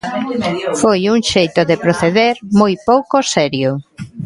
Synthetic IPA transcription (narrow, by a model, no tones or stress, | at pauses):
fojuŋʃejt̪ʊðepɾoθeðeɾmojpowkosɛɾjʊ